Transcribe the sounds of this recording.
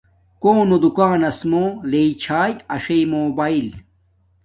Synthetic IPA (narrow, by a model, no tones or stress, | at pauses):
koːnod̪ukaːnɐsmoleit͡ɕʰaːjɐʂejmoːbaːil